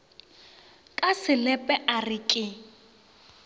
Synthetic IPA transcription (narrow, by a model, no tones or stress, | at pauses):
kʼasɪlɛpʼɛʔarɪkʼɪ